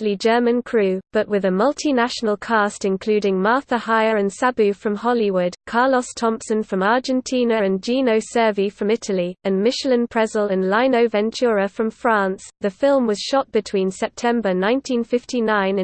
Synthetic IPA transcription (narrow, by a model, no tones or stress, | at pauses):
lid͡ʒɜːmə̃nkʰɹ̥ʉːb̥ʌʔwɪðəmʌlˠtʰinaʃənəlˠkʰɑˑstɪ̃nkʰl̥ʉːdɪ̃ŋmɑˑθəhaɪəɹə̃nsabʉfɹə̃mhɒliwʊd̥kʰɑːləstʰɒ̃mpsə̃nfɹə̃mɑɹd͡ʒɛ̃ntʰĩːnəɹə̃nd͡ʒĩːnəʊsɜːvifɹə̃mɪtʰəliə̃nmɪʃələ̃npʰɹ̥ɛzələ̃nlaɪ̃nəʊvɛ̃nt͡ʃʰʉɹəfɹə̃ɱfɹɑ̃ˑnsðəfɪlˠmwɒz̥ʃɒʔ̚b̥ɨtʰw̥ĩːnsɛp̚tʰɛ̃mbənãɪ̃ntʰĩnfɪftinãɪ̃nɪ̃